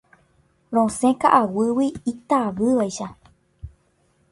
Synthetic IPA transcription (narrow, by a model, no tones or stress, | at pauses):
ɾõsẽkaʔawɨwiit̪aʋɨʋajʃa